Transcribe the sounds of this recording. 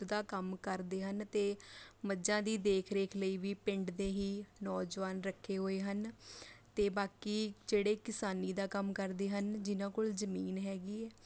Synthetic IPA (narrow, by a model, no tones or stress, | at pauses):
d̪aːkəmkəɾd̪eːɦənt̪eːməd͡ʒãːd̪iːd̪eːkʰɾeːkʰləiːʋiːpɪ̃ɳɖd̪eːɦiːnɔːd͡ʒʋaːnɾəkʰːeːɦoːeːɦənt̪eːbaːkiːd͡ʒeːɽeːkɪsaːniːd̪aːkəmkəɾd̪eːɦənd͡ʒɪnãːkoːlzəmiːnɦɛːɡiːɛː